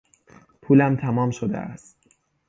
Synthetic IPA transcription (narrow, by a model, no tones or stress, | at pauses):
pʰuːlæmt̪ʰæmɒːmʃod̪ḛʔæ̰st̪